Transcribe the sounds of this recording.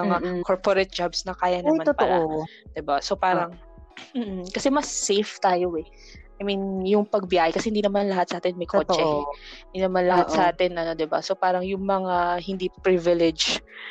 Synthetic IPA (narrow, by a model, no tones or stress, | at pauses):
mɐŋakʰoɹpoɾɛt̪̚d͡ʒabsnɐkaːjɐnɐmanotpɐolʔo | d̪̥ɪbaso̞paːɾɐŋ | m̩ːʔ̩kɐsɛmɐsːejft̪aːjo̞ʔɛ | ʔajminjʊŋpɐɡ̚bɪjaːhɛkɐsɛhɪnd̪inɐmanlɐhat̪sɐʔaːt̪ɛnmɐjkʰoːt͡ʃɛhɪnd̪inɐmanlɐhaʔ̪sɐʔaːt̪ɛnʔɐno̞d̪ɪba̰so̞paːɾɐŋjʊŋmɐŋahɪnd̪ipɾivɪlɛd͡ʒ